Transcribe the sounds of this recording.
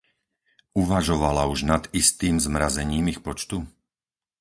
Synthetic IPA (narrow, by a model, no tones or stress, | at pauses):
uʋaʒɔʋalauʒnad̪ist̪iːmzmɾazɛɲiːmixpɔt͡ʃt̪u